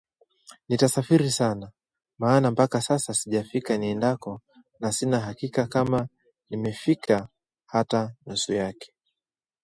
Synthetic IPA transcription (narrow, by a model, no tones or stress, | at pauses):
nitasafiɾisana | maːnampakasasasiʄafikaniɛndakɔ | nasinaɦakikakama | nimɛfikʰa | hatanusujakɛ̥